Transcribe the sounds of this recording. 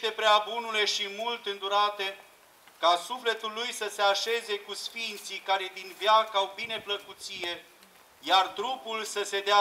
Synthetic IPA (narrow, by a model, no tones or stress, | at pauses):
t̪e̞pɾeabunule̞ʃimult̪ɨnd̪uɾat̪e̞ | kasufle̞t̪ulːujsəse̞aʃe̞ze̞kusfint̪sikaɾe̞d̪invjakawbine̞pləkut̪sije̞ | jart̪ɾupulsəse̞d̪ea